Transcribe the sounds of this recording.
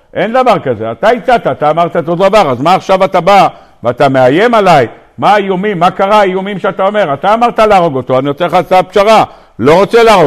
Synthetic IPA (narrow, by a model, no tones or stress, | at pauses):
ʔe̞nd̪avaʁkaze̞at̪ait͡sat̪aːt̪aːmaʁt̪aot̪od̪avaʁazmaːχʃavat̪aba | veat̪ame̞aje̞malaj | maːijumimːakaʁaaijumimʃeat̪aome̞ʁat̪aːmaʁt̪alaːʁo̞ɡo̞t̪o̞aniot͡seχat͡sapʃaʁa | lo̞ʁot͡selaaʁo